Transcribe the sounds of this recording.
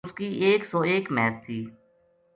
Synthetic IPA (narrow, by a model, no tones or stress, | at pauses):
skiːʔeːksɔːeːkmɛːst̪ʰiː